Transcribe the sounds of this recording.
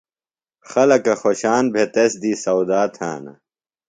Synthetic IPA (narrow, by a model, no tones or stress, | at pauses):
xɐlɐkɐxoɕaːnbʱet̪ɐsd̪iːsɐwd̪aːt̪ʰa̰ːnɐ̰